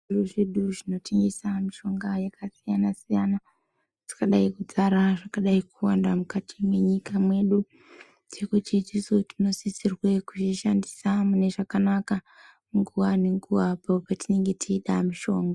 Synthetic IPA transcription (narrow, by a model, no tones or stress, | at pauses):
uruʐeɗuʐino̞teŋɡisamiʃo̞ŋɡajakʰasijanasijana | ti̥kaɗaikud͡zaɾaʐakaɗaikuwandamukatimwe̞ɲikamwe̞ɗu | t͡ʃe̞kut͡ʃit͡ʃisotino̞sisirwekut͡ʃiʃandisamune̞ʐakanaka | ŋɡuwaneŋɡuʋapopatine̞ŋɡe̞tʰiːɗamiʃo̞ːŋɡa